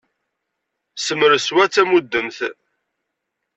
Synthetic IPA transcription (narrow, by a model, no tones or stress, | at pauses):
səməɾswæt͡sːæmud̪ːəmθ